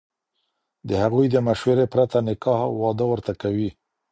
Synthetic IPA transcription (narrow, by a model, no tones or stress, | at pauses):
d̪əhaɣujd̪əmaʃweɾepɾat̪anɪkɑhwɑd̪əwəɾt̪akawi